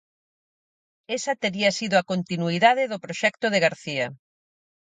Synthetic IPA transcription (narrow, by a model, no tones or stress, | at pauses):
esɐt̪eɾiɐsiðoakont̪inuiðaðeðopɾoʃɛkt̪oðeɣaɾθiɐ